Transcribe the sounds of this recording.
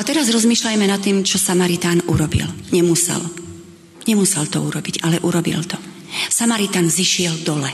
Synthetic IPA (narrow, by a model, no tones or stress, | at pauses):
ʔat̪ɛɾazɾɔzmiːʃlajmɛnat̪ːiːmt͡ʃɔsamaɾit̪aːnʔṵɾɔbḭlɲɛmusɛ̰l | ɲɛmusɛlt̪ɔuɾɔbiɟalɛʔuɾɔbḭlt̪ɔ | samaɾit̪aːnziʃɪɛld̪ɔlɛ